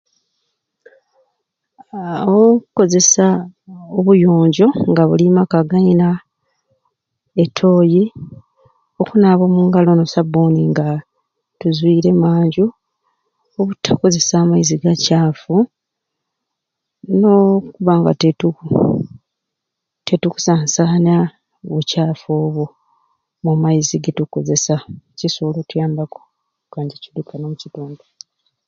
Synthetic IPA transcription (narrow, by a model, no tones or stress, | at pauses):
kuko̞ze̞saoβujo̞ːɲɟo̞ŋɡaβulimakaɡaina | e̞tʰo̞ːji | o̞kunaβo̞ːmuŋɡalo̞nosaboniŋɡa | tuzwiːɾe̞maːɲɟu | oβutʰːako̞ze̞saːmaiziɡacaːfu | no̞kuβaŋɡa̰tetu | te̞tuku̥saːnsaːna | βucaːfo̞ːβu | mumajiziɡetuko̞ze̞sacisulotujaːmbako̥ | kaːɲɟecilikʰanomucitoːndo